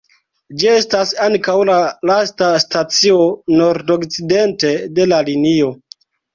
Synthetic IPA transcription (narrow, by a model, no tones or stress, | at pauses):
d͡ʒie̞stasaŋkawlalastastat͡sio̞no̞ɾdo̞kt͡side̞nte̞de̞lalinio̞